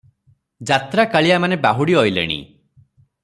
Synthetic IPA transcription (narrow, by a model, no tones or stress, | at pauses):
d͡ʒat̪ɾakaɭijamanebaɦuɽiɔjlḛɽ̃ḭ